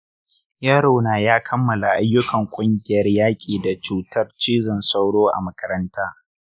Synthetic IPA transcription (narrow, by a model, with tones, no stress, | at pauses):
jaː˦ɽa˨naː˨jaː˦kʰɐ˦mːɐ˨la˨ʔa˦jːʊ˦kɐ˨ŋkʷʼʊ˦ŋɡʲɪ˦jɐ˨˦rjaː˦kʲʼiː˨da˨t͡ʃuː˨tʰɐ˦rt͡ʃiː˦zɪ˨nsa˦wɽoː˦ʔa̰˨mɐ˦kɐ˦ɾɐ˦ntaː˦